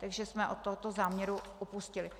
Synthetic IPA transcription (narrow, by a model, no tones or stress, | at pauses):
t̪aɡʒɛsmɛʔot̪ːoɦot̪ozaːmɲɛɾuʔopuscɪlɪ